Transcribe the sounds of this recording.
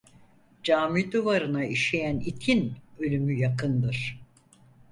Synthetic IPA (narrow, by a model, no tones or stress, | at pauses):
d͡ʒaːmid̪uvaɾɯnaiʃejænit̪ʰinø̞lʲymyjakʰɯnd̪ɯɾ̥